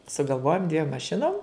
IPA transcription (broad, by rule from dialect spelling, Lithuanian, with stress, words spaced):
sʊɡɐlˠˈʋoːjoːm dʲʋʲiɛm mɐˈʃʲɪnoːm